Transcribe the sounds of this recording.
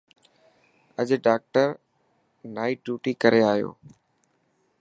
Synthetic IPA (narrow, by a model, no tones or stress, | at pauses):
əʄɖaːk̚ʈəɾ | naːiːɖjuːʈiːkəɾeaːɦjo̰ː